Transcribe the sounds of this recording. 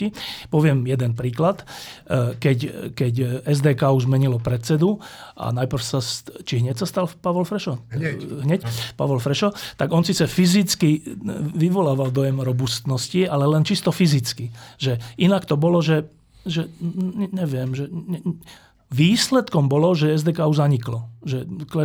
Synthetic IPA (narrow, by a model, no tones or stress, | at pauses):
ipɔʋɪɛmjɛd̪ɛnpɾiːklat̪ | kɛckɛcɛzd̪ɛːkaːuʒzmɛɲilɔpɾɛt͡sɛd̪ua̰najpr̩fsast͡ʃiɦɲɛcsast̪alpaʋɔlfɾɛʃɔɦɲɛcpa̰ʋɔlfɾɛʃɔt̪aɡɔnsiːt͡sɛfizit͡skiʋiʋɔlaːʋald̪ɔjɛmɾɔbust̪nɔscialɛlɛnt͡ʃist̪ɔfizit͡skiʒɛinakt̪ɔbɔlɔʒɛ | ʒɛɲɛɲɛʋɪɛmʒɛɛ | ʋiːslɛt̪kɔmbɔlɔʒɛɛzd̪ɛːkaːuʒzaɲiklɔʒɛklɛ